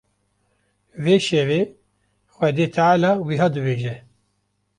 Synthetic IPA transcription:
veːʃɛveː | xwɛd̪eːt̪ʰaʕalɑːwiɦɑːd̪ɨbeːʒɛ

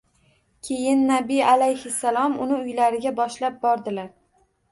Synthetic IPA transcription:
kʲʰe̞jɪnːabijalajhɪsːalˠɒmʊnɪʊjlaɾɪɡʲabɒʃlap̚bɒɾd̪ɪlaɾ

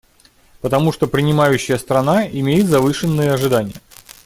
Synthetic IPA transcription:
pət̪ɐmuʂt̪opɾʲɪnʲɪmajʉɕːɪjəst̪ɾɐnaɪmʲejɪt̪zɐvɨʂɨnːɨjəɐʐɨd̪anʲɪjə

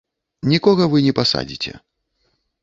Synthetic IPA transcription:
nʲikɔɣɐvɨnʲɛpasa̰d͡zʲit͡sʲɛ̰

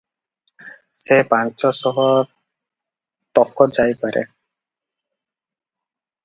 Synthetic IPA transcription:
sepant͡ʃɔsɔɦɔ | t̪ɔkʰːɔd͡ʒajpaɾʔḛ

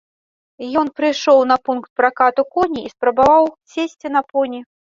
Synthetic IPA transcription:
jɔnpɾɨjʂɔwnɐpunkt̪̚pɾakat̪ukɔnʲiispɾɐbavawsʲesʲt͡sʲinɐpɔnʲi

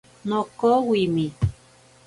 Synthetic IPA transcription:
nokowimi

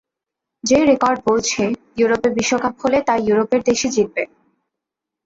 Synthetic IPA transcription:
d͡ʑeɾekɔɾɖ̚powt͡ɕʰejuɾopeɾbiʃːokap̚ɦolet̪ajuɾopeɾd̪eʃid͡ʑit̪̚be

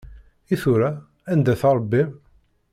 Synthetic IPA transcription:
iθuɾa | ænd̪æθɑɾˤbːim

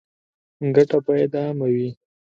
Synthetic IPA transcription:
ŋɡaʈapajed̪amawi

